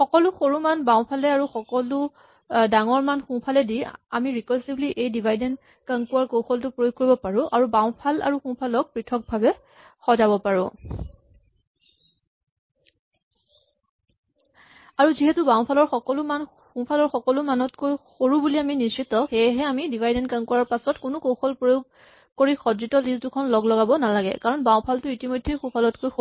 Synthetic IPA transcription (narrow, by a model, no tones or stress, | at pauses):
xɔkɔlʊxoɹumanbaʊ̃pʰalɛaɹuxɔkɔlʊ | daŋɔɹmanxũpʰalɛdiamiɹikɔlsibliʔejdibʱajdɛn | kaŋkuwaɹkowxɔltʊpɹojoɡ̚koɹibɔpaɹʊ̃ʔaɹubaw̃pʰala̰ɹuxũpʰalɔk̚pɹitʰɔk̚bʱabɛ | xɔzabɔpaɹʊ̃ | aɹuziɦɛtubaʊ̃pʰalɔɹxɔkɔlʊman | xũpʰalɔɹxɔkɔlʊmanɔtkojxoɹubuliaminisɹitɔxejɦɛamidivajdɛnkankɔɹaɹpasɔtkʊnʊkowxɔlpɹojoɡ̚ | koɹixɔdɹitɔliztʊkʰɔnlɔɡlɔɡabɔnalaɡɛ̰kaɹɔnbãw̃pʰaltʊitimɔjdʱːejxũpʰalɔtkojx